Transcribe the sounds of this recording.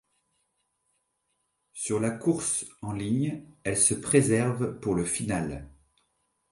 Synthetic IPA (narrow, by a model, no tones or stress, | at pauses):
syʁlakuʁsɑ̃liɲɛlsəpχezɛʁvpuʁləfinal